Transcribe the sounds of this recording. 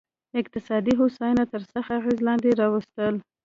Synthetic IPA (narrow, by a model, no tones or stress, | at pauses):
ɪq̚t̪ɪsɑd̪iɦosɑjunat̪əɾsəxaaɣezlɑnd̪eɾɑwəst̪əl